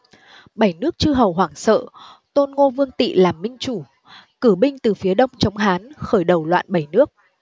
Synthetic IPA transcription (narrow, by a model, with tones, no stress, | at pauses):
ɓə˧˩jnɨ˦˥ək̚t͡ɕɨ˧ɦə˨˩wɦwaː˧˩ŋsə̰ː˧˨t̪o˧nŋo˧vɨ˧əŋt̪ḭ˧˨laː˨˩mːï˧ŋ̟t͡ɕu˧˩ | kɨ˧˩ɓï˧ŋ̟t̪ɨ˨˩fi˨˦əɗə˧wŋ͡mt͡ɕə˨˦wŋ͡mɦaː˨˦nxəː˧˩jɗə˨˩wlwa̰ː˧˨nɓə˧˩jnɨ˦˥ək̚